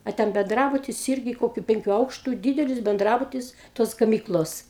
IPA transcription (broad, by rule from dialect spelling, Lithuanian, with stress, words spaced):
ɐ ˈtʲɛn bʲɛnˈdrɑːbʊtʲɪs ˈɪrʲɡʲɪ ˈkoːkʲʊ ˈpʲɛŋʲkʲʊ ˈɐʊkʃtʊ ˈdʲiːdʲɛlʲɪs bʲɛnˈdrɑːbʊtʲɪs ˈtoːs ɡɐˈmʲiːklˠoːs